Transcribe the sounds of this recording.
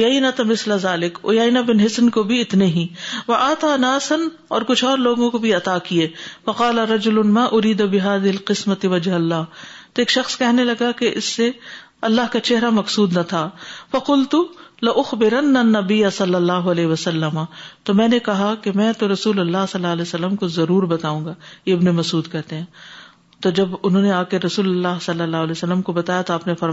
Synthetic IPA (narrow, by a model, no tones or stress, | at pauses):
ʊjɐjnɐt̪ɐmɪslazaːlɪkʊ̰jɐjnabɪnɦɪsnkobʱiɪt̪neɦiʋɐʔaːt̪aːnaːsɐn | ɔːɾkʊt͡ʃʰɔːɾloːɡõkobʱiɐt̪aːkieːfɐqɑːlɐɾɐd͡ʒʊlʊnmaːʔʊɾiːd̪abɪɦaːðɪɦɪlqɪsmɐt̪ɪwɐd͡ʒɦɐlːaːɦt̪oeːkʃɐxskɛɦnelɐɡakeʔɪsːe | ɐlːaːɦkat͡ʃɛɦɾamɐqsuːd̪nɐt̪ʰaːfɐqʊlt̪ulɐʔʊxbɪɾɐnːanːɐbɪjːɐsɐlːɐlːaːɦʊɐlɛːɦʋɐsɐlːɐmat̪omɛ̃ːnekɐɦakemɛ̃ːt̪oɾɐsuːlɐlːaːɦsɐlːaːlɛːsɐlːəmkozɐɾuːɾbɐt̪aːũːŋɡaːjeɪbnemɐsuːd̪kɛɦt̪eɦɛ̃ː | t̪od͡ʒɐbʊnɦõːneaːkeɾɐsuːlɐlːaːɦsɐlːɐlːaːɦʊlɛːsɐlːəmkobɐt̪aːjat̪oaːpnefɐɾ